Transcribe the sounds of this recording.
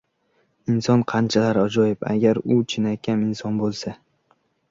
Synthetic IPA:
ɪnsɒnqʰɑnt͡ʃʰalaɾɒd͡ʒɒjɪpa̰ɡʲaɾʊt͡ʃʰɪnakʲʰanɪnsɒnbolˠsa

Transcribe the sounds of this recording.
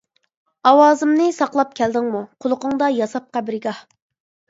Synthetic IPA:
ɑwɑːzɨmnɨsɑqlˠɑp̚kʲʰɛld̪ɪŋmuqʰʊlˠʊqʊŋd̪ɑjɑsɑp̚qæbɾɪɡɑh

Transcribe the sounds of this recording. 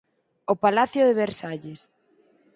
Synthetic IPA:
opalaθjoðeβeɾsaʎes

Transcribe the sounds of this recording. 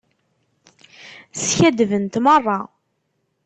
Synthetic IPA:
sçæd̪vənt̪mərˤːɑ

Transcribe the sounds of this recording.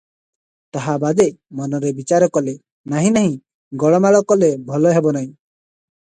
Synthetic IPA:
t̪aɦabad̪emɔnɔɾebit͡ʃaɾɔkɔle | naɦĩnaɦĩ | ɡɔɭɔmaɭɔkɔlebʱɔlɔɦebɔnaɦĩ

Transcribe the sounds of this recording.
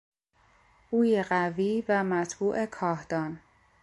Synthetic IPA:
uːjeɢæviːvæmæt̪ʰbuːʔe̞kʰɒːhd̪ɒːn

